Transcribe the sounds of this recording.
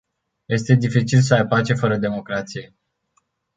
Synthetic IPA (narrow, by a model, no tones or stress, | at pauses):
je̞st̪e̞d̪ifit͡ʃils̬əajpat͡ʃe̞fəɾəd̪e̞mo̞kɾat̪sije̞